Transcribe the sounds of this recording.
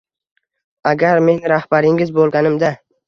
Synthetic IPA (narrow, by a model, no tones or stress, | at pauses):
aɡʲaɾme̞nɾahbaɾɪŋɪzbolˠɡʲanɪmd̪a